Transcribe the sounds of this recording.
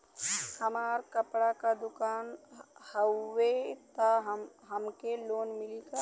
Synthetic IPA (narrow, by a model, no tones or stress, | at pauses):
həmaːɾkəpɽakad̪ʊkaːnhəːet̪aɦ | ɦəmkeloːnmɪlika